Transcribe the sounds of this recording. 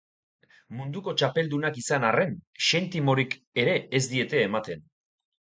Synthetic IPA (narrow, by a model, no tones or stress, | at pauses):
mund̪uko̞t͡ʃape̞ld̪unakisanare̞nʃe̞nt̪imo̞ɾik | e̞ɾe̞ːzd̪ie̞t̪e̞ːmat̪e̞n